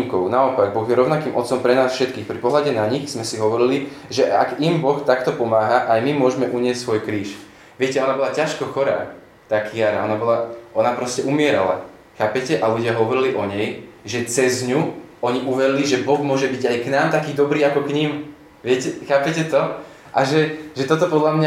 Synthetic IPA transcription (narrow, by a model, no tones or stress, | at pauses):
ŋkɔʊnaɔpaɡ̚bɔɣjɛɾɔʊnakiːmʔɔt̪sɔmpɾɛnaːsfʃɛt̪kiːxpɾipɔɦlaɟɛnaɲixz̥mɛsiɦɔʋɔɾili | ʒɛʔa̰ɡimbɔxt̪akt̪ɔpɔmaːɦaʔajmimʊɔʒmɛʔuɲɪɛst̪ːsʋɔjkɾiːʃ | ʋɪɛcɛɔnabɔlacaʃkɔxɔɾa̰ː | t̪akʰijaɾa̰ɔnabɔlaʔɔnapɾɔscɛʔumɪɛɾa̰la̰ | xaːpɛcɛʔaluɟɪaɦɔʋɔɾiliʔɔɲɛjʒɛt͡sɛzɲuɔɲiʔuʋɛɾiliʒɛbɔɣmʊɔʒɛbiɟajknaːmt̪akiːd̪ɔbɾiːakɔkɲim | ʋɪɛcɛxaːpɛcɛt̪ɔ | ʔaʒɛʒɛt̪ɔt̪ɔpɔd̪lamɲa